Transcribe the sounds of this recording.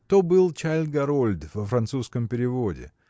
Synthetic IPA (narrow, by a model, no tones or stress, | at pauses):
t̪obɨlˠt͡ɕalʲɡɐɾolʲd̪vəfɾɐnt̪suskəmpʲɪɾʲɪvodʲɪ̰